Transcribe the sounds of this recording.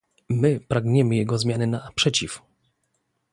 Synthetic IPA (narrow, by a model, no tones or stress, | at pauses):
mɘpɾaɡɲɛmɘjɛɡɔzmʲjanɘnapʂɛt͡ɕif